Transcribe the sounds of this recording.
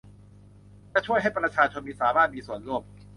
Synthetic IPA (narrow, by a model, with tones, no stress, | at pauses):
lɛː˥˩t͡ɕʰu˥˩əjɦa˥˩jpɾa˧t͡ɕʰaː˧t͡ɕʰo˧nmiː˧˥saː˩˦maː˥˩t̪̚miː˧su˨˩ənɾu˥˩əm